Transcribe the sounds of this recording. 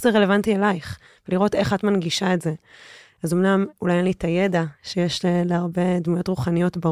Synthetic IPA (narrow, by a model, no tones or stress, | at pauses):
zeʁelevantielajχ | veliʁo̞te̞χatmanɡiʃaetze̞ | azomnamulajenlitajedaʃejeʃleleaʁbe̞dmujo̞tʁuχanijo̞tba